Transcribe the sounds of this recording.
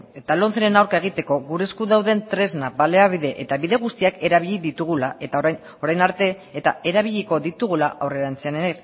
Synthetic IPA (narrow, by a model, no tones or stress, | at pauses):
et̪alo̞nθeɾenawɾkae̞ɣ̞it̪e̞ko̞ɣuɾe̞skuðawðe̞nt̪ɾe̞znabale̞aβiðe̞ʔet̪aβiðe̞ɣ̞ust̪iake̞ɾaβ̞iʎiðit̪uɣ̞ulaet̪ | o̞ɾajnaɾt̪e̞ːt̪a̰e̞ɾaβ̞iʎiko̞ðit̪uɣ̞ulaʔawre̞ɾant͡seaneneɾ